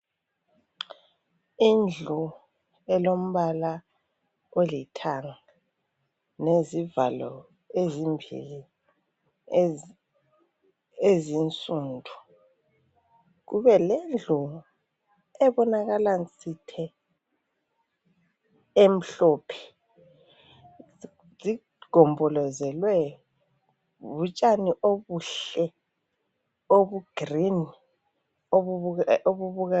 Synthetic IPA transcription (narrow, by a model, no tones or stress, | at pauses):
ind͡ɮʱu | ɛlom̩βala | olitʰaŋa | neziva̰lɔ̰ | ezimbʱḭli | ezint͡sʼuːndʱu | ɣuβɛlend͡ɮʱu | ɛβɔnaɣalant͡sʼitʰɛ | em̩ɬɔːpʰɛ̥ | zi | ɡ̥ʱɔmbʱɔlɔzɛlwɛjɔ | βut͡ʃʼaniʔoβuɬɛ | oβuɡ̥rini | ooβuβuɣa